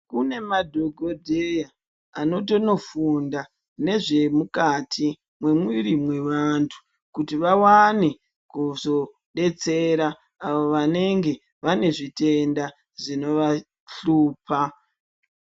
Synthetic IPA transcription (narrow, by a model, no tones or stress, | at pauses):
kune̞madʱoɡʱo̞dʱeja | ano̞to̞no̞funda | ne̞ʐe̞mukatʰi | mwe̞mwiɾimwe̞ʋantʰu̥ | kutiʋawane | kuzo̞ | ɗe̞t͡se̞ɾaː | oʋane̞ŋɡe̞ | ʋane̞ʐite̞nda | ʐino̞ʋa | ɬuːpa